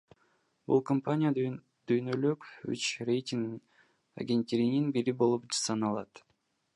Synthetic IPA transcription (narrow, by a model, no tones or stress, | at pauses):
bṵlˠkompanʲija | d̪̥yjnølyky̰t͡ʃrejtʲiŋɡn | a̰ɡʲenʲt̪ʲeɾʲininbiɾibo̞lˠupd͡ʒsɑnɑlˠɑt̪